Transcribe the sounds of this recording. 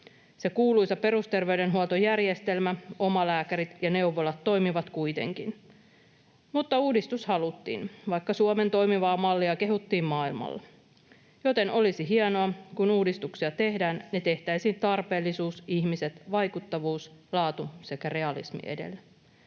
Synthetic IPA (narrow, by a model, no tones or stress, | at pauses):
se̞kuːlujsɑpe̞ɾust̪e̞rʋeyde̞nɦuot̪ojærjest̪e̞lmæo̞mɑlæːkæɾit̪jɑne̞uʋolɑt̪ːo̞jmiʋɑt̪kujt̪e̞̰ŋkin | mut̪ːɑuːdist̪ushɑlut̪ːḭːnʋɑjkːɑsuome̞nt̪o̞jmiʋɑːmɑlːiɑke̞ɦut̪ːiːmmɑːilmɑ̰lːɑ̰ | jo̞t̪e̞no̞lisiɦiɑno̞ɑkunuːdist̪uksiɑt̪e̞hdæːnːe̞t̪e̞ht̪æisiːnt̪ɑrpe̞ːlːisuːsiçmise̞t̪ʋɑjkut̪ːɑʋuːslɑːt̪use̞kære̞ɑlḭsmḭʔḛdḛlːæ